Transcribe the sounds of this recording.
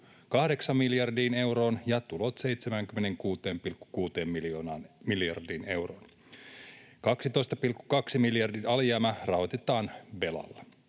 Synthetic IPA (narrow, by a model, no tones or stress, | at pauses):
kɑhde̞ksɑmmiljɑrdiːne̞wɾo̞ːnjɑt̪ulo̞t̪se̞jt̪semæŋkymːene̞ŋkuːt̪eːmpilkːu̥kuːt̪e̞ːmmiljonɑːnmiljɑ̰rdiːne̞wro̰ːn | kɑksit̪o̞jst̪ɑpilkːu̥kɑksimiljɑrdiɑljæːmærɑho̞t̪et̪ɑːnʋe̞lɑ̰lːɑ